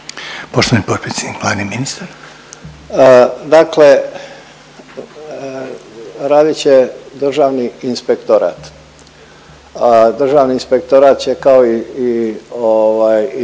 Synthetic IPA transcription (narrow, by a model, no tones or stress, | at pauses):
poʃt̪oʋanipopɾet̪sʲjed̪nikʋlˠaːdniminist̪aɾ | d̪akle | ɾaːd̪it͡ɕe̞d̪r̩ʒaːʋniinspekt̪oɾa̰ːt̪ | d̪r̩ʒaːʋniːnspe̞k̚t̪oɾat̪t͡ɕe̞kaoiioʋaːj